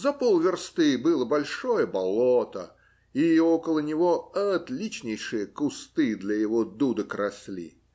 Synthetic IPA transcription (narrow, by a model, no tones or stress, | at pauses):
zɐpolˠvʲɪrst̪ɨbɨlˠəbɐlʲʂojəbɐlˠot̪ə̰ | iokəlˠənʲɪvoɐt̪lʲit͡ɕnʲɪjʂɨjəkʊst̪ɨd̪lʲɐjɪvod̪ud̪əkɾɐsʲlʲḭ